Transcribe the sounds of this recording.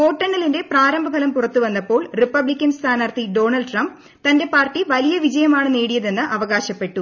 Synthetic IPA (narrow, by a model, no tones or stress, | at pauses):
ko̞ːʈːɐɳːɐlinde̞praːɾɐmbʱɐbʰʱɐlɐmpurɐt̪ːuʋɐnːɐpːo̞ːɭripːɐblikʲːɐnst̪ʰaːnɐrt̪iɖo̞ːɳɐlɖʈrɐmb̚ | t̪ɐnde̞paːrtːiʋɐlijɐʋid͡ʑɐjɐmaːɳɨneːɽijɐðe̞nːɨʔɐʋɐɣaːɕɐpːe̞ʈːu